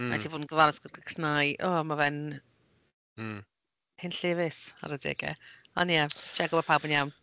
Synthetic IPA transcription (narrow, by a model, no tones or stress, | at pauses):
ma̰tʰivoːdn̩ɡəvanəsɡ̥əɡəkʰrnajʔɔːmavɛn | hɪnɬɪvɪsa̰ɾədɪ̰ɡɛ̰ | ɔ̰njɛd͡ʒɪst͡ʃʰɛɡɔbapʰawbənjawn